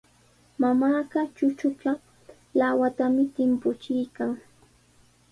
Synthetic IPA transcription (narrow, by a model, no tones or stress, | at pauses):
mamaːɢɑt͡ʃʊt͡ʃʊt͡ʃa | lawat̪amɪt̪ɪmpʊt͡ʃɪjkaŋ